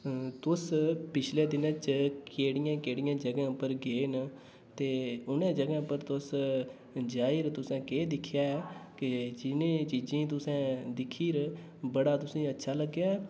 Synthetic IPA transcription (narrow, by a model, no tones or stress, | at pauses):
t̪ʊspɪt͡ʃʰleːd̪ɪnə̃t͡ʃkkeːɽɪjãːkeːɽɪjãːd͡ʒəɡãːpəɾɡeːn | t̪eːʊnẽːd͡ʒəɡãːpəɾt̪ʊs | d͡ʒaːɪɾt̪ʊsɛ̃ːkeːd̪ɪkʰːjaːɛːkɪd͡ʒɪnẽːt͡ʃiːd͡ʒĩːt̪ʊsɛ̃ːd̪ɪkʰiːɾ | bəɽaːt̪ʊsĩːətːʃʰaːləɡjaːɛː